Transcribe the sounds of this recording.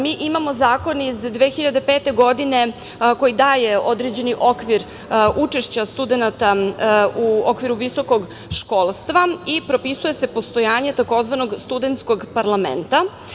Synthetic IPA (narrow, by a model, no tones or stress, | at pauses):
miːʔimamo̞zaːko̞nizd̪ʋexiʎad̪epeːt̪e̞ɡo̞d̪ine̞ | ko̞jid̪aːje̞o̞d̪ɾed͡ʑe̞niʔo̞kʋiɾ | ut͡ʂe̞ʃt͡ɕast̪ud̪enat̪auokʋiɾuʋiso̞ko̞ɡ | ʃko̞ːlˠst̪ʋaipɾo̞pisuje̞se̞po̞st̪o̞jaːɲe̞t̪ako̞zʋano̞ɡst̪ud̪ent̪skoɡpaɾlˠamḛnt̪a